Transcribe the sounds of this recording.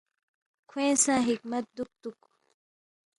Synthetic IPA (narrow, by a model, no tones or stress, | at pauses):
kʰwẽːsãːɦikmɐt̪̚d̪uk̚t̪uk